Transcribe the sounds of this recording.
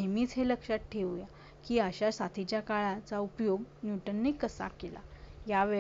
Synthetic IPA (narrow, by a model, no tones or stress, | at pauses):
emiːt͡sɦeləkʂat̪ʈʰeʋja | kiːəɕasat̪ʰit͡ɕjakaɭat͡saupjoɡnjuʈənːekːəsa̰kela̰jaʋe